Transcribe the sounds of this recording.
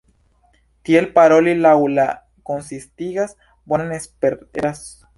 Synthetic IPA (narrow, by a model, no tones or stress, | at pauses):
t̪jelpaɾolilawla | konsist̪iɣas | bwananespeɾt̪eɾas